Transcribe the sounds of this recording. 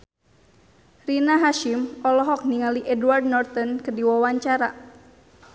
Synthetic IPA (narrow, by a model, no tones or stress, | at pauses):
rinaɦaʃimɔlɔɦɔk̚niŋaliʔɛduward̚nɔrt̪ɔnkədiwawaɲt͡ʃaɾa